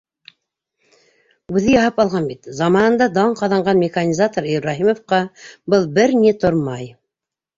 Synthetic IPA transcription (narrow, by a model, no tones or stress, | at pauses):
ʉðɘjɑhɤpɑlˠʁɑnbit̪zɑmɑnɤ̆nd̪ɑd̪ɑɴqɑðɑɴɢɑnmʲɪxanʲizat̪oɾiɾɾɑɦimofqɑbɤlˠbɘɾnit̪oɾmɑj